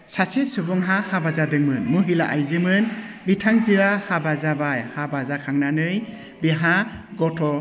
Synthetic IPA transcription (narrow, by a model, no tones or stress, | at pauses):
sasesubɔŋɦahabazadɯŋmɯnmɯɦilaʔajzɯmɯnbitʰaŋziɾahabazabajhabazakʰaŋnanɯj | biɦaɡɔtʰɔ